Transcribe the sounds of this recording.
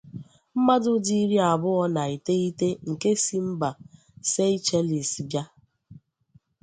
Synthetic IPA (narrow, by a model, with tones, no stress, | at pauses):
m̩˦ma˦dʊ˦di˦ɾi˦a˨bʊ˦ɔ˦na˨i˨te˦i˦te˦ŋ̩˨ke˦si˦m̩˦ba˨ | se˦i˦t͡ʃe˦li˨sbja˦